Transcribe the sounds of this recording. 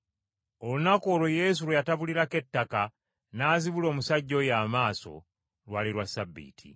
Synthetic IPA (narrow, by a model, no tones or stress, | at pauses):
o̞lunakoːloje̞ːs̬uɾwejataβuliɾake̞tːaka | naːziβulo̞ːmusaɟːo̞jaːmaːso̞̰ | lwaːliɾwasabːḭːtʰḭ